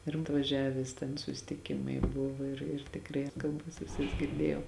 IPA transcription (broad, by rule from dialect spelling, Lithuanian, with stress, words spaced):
ɪr ɐtʋɐˈʒʲæːʋʲæːs tʲɛn sʊsʲɪtʲɪˈkʲɪmɐɪ ˈbʊʋoː ɪr ɪr tʲɪkˈrɐɪ ɪr kɐlˠˈbɐs ʋʲɪˈsɐs ɡʲɪrʲˈdʲeːjɛʊ